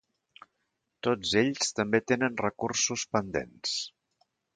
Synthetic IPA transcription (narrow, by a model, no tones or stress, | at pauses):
t̪od͡zeʎst̪əmbet̪enənrəkursuspənd̪ḛns